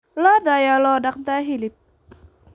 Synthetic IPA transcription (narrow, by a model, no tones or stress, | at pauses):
lɔd̪ajalɔdak̚t̪aɦilip̚